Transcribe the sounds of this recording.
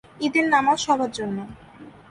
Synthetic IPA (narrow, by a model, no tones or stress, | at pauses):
id̪eɾnamaʃɔbʱaɾd͡ʑonːo